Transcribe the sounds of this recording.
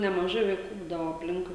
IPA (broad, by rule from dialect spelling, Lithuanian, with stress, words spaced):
nʲɛmɐˈʒɐɪ ʋɐɪˈkuː ˈbuːdɐʋoː ɐpʲˈlʲɪŋkʊɪ